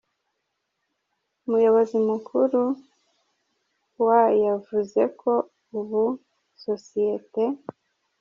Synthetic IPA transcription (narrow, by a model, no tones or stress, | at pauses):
umujo̞βo̞zimukʰuɾu | wajavuze̞kʰo̞ | uβu | sosijete̞